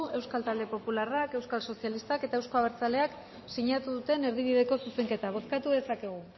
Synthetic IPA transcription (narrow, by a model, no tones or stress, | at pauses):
e̞wskalt̪ald̪e̞po̞pularake̞wskalso̞sjalist̪ake̞t̪ae̞wsko̞aβ̞eɾt͡sale̞ak | siɲat̪uðut̪e̞ne̞ɾðiβiðe̞ko̞suse̞ŋke̞t̪aβ̞o̞skat̪uðe̞sake̞ɣ̞u